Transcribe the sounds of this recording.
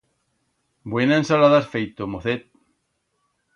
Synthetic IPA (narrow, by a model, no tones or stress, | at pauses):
bwenaẽnsalaðasfejt̪omoθet̪̚